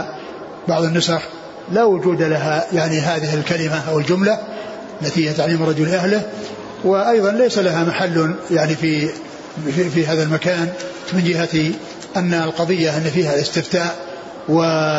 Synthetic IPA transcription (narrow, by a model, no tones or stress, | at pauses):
bɑʕðˤɨnːʊsɑx | lawʊd͡ʒuːd̪alaɦajaʕniɦaːðɪhɪlkalɪmaʔawɪld͡ʒʊmla | ʔʔalːat̪ihɪjːat̪aʕliːmɾˤɑd͡ʒʊlʔahlɪh | wɪʔɑjðˤɑnlejsalaɦamaħalːjaʕnifi | fiɦaːðalmakaːn | mɪnd͡ʒɪhat̪i | ʔanːalqɑðˤɪjːaʔɪnːfiːhalɪst̪ɪft̪aːʔ | wɪ